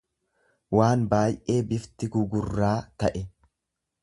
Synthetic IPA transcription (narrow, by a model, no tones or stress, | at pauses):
waːnbaːjʔe̞ːbɪft̪ɪɡʊɡʊrːaːt̪ɐʔɛ